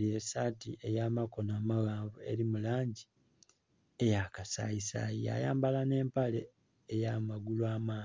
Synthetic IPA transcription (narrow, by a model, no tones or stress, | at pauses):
lesaːtiʔe̞jamako̞naːmaɣaːɱvue̞̰ɾimulaːɲɟi | ejakasa̰isa̰jija̰ja̰ːmbalane̞ːmpale̞ː | jamaɡulwaːmaː